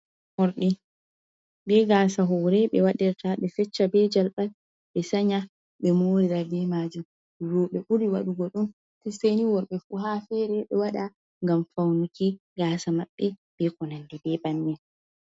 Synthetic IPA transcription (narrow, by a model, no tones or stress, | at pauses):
hɔɾɗi | bɛɡaːsaɦɔɾɛɓɛwaɗɛɾtaɓɛfɛt͡ʃːabɛd͡ʒalɓal | ɓɛsaɲa | ɓɛmoːɾiɾabɛmad͡ʒum | duɾɔɓɛʔuɾiwa̰ɗuɡɔɗun | tiseniwɔɾɓɛfuɦafɛɾɛɓɛwaɗa | ŋɡamfawnuki | ɡaːsamaɓːɛbɛkɔnandɛbɛbanːɛn